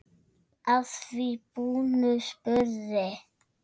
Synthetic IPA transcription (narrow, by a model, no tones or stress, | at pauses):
asfipunəspəzɛ